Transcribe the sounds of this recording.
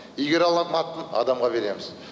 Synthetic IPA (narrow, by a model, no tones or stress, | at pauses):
ijɡʲeɾɑlˠɑnmɑt̪ːənɑ̰d̪ɑmʁɑbe̞ɾe̞mɪz